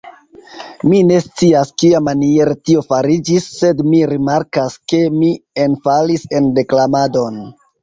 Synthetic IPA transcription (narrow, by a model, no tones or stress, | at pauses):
mine̞st͡siaskiamanieɾetio̞faɾid͡ʒisːe̞dmiɾimaɾkaske̞mienfalise̞nde̞klamado̞n